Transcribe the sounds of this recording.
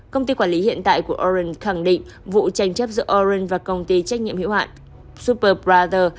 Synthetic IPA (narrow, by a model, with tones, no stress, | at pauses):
kə˧wŋ͡mt̪i˧kwaː˧˩li˨˦hḭ˧˨ənt̪a̰ː˧˨jku˧˩əʔɔ˧ɹə˧nxa˧˩ŋɗḭ̈˧˨ŋ̟ | vṵ˧˨t͡ɕa˧jŋ̟t͡ɕə˦˥p̚zɨ̰˧˥ʔɔ˧ɹə˧nvaː˨˩kə˧wŋ͡mt̪i˧t͡ɕa˦˥k̚ɲḭ˧əmhḭ˧˥whwa̰ː˧˨ | su˦˥pəː˧ɹaː˧zəː˧